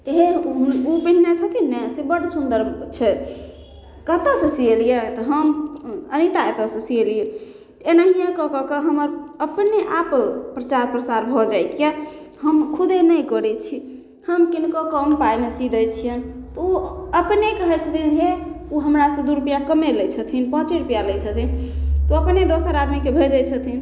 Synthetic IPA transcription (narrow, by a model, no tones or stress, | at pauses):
t̪əɦẽɦuubiɦnesʰət̪inɛsebəɽsund̪əɾbt͡ʃʰɛ | kət̪əsə̃sielijet̪ɔɦəmənit̪aet̪əsə̃sielie | t̪enaɦijẽkɔkɔkəɦəməɾəpneʔappɾət͡ʃaɾpɾəsaɾbʱɔd͡ʒajt̪jaɦəmkʰud̪ʱenəjkɔɾɛt͡ʃʰi | həmkinkokəmpajmesid̪əjt͡ʃʰijən | t̪ɔuəpnekəɦɛt͡ʃʰət̪ʰid͡ʒe | uɦəmɾasə̃d̪uɾpijakəmeləjt͡ʃʰət̪ʰinpət͡ʃeɾpijaləjt͡ʃʰət̪ʰint̪ɔəpned̪osəɾad̪mikebʱed͡ʒət͡ʃʰət̪ʰin